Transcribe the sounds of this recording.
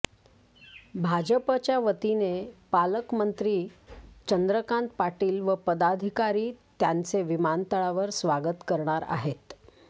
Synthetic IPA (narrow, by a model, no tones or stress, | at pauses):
bʱad͡ʑəpət͡ɕjaʋət̪inepaləkmənt̪ɾiːt͡ɕənd̪ɾəkaɳt̪̚paʈiːlʋəpəd̪ad̪ʱikaɾiːt̪jant͡seʋimant̪əɭaʋəɾsʋaɡət̪kəɾɳ̃aɾa̰ɦet̪